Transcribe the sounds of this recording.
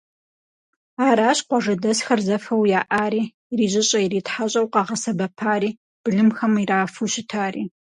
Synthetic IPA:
aːɾaːɕqʷɔʐɐdɐsxɐrzɐfɐwjaːʔaːɾiːriːʑɪɕʼɐjiɾiːtħaɕʼɐwqɑʁɐsɐbɐpʰaːɾiː | b̥ɨɮɨmxɐmiraːfuːɕɪtʰaːɾiː

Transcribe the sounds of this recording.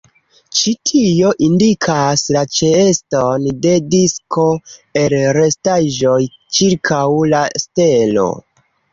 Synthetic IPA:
t͡ʃitʰio̞ʔindikʰaslat͡ʃeestonde̞diskʰo̞e̞lɾe̞staʒo̞j | t͡ʃiɾkʰawlaste̞lo̞̰

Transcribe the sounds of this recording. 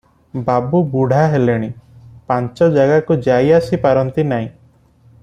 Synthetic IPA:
babubuɽ̤ʱaɦeleɽ̃ipant͡ʃɔd͡ʒaɡakud͡ʒaiasipaɾɔnt̪inaɦĩ

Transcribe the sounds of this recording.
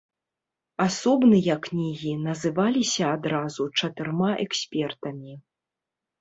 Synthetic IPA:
asɔbnɨjɐkːnʲiɣʲinɐzɨvalʲisʲɐːd̪ɾazut͡ʂɐt̪ɨrmaʔɛksʲpʲɛrt̪ɐmʲi

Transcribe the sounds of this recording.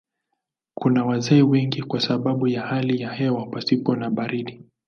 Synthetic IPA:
kunawazɛiwɛŋɡikwasaɓaɓujahalijahɛwapasipɔnaɓaɾiɗi

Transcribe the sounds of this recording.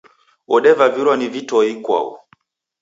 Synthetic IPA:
ɔɗɛvaviɾanivitɔikwa̰ṵ

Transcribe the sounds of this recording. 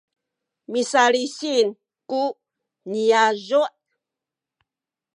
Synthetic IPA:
misaliɕin | ku | niazuʔ

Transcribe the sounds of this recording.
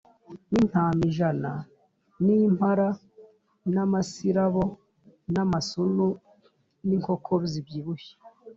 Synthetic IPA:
nin̥haːmiʒana | nimhaɾa | namasiɾaβo | namasunu | niŋko̞kʰoβzibjiβuçi̥

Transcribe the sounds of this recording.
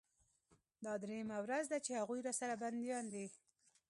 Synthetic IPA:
d̪ɑd̪ɾejamawɾazd̪at͡ʃehaɣujɾɑsaɾaband̪jɑnd̪i

